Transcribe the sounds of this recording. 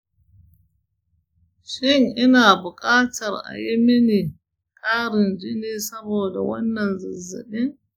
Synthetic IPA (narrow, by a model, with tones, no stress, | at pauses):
ʃɪ˦ŋʔɪ˦naː˨bʊ˨kʼaː˦tʰɐ˨rʔa̰˨jɪ˦mɪ˦ni˨ | kʼaː˦ɾɪ˨nd͡ʒi˦neː˦sɐ˦boː˨da̰˨wɐ̰˦nːɐ˨nzɪ˨zːɪ̰˨ɗɪ˦ŋ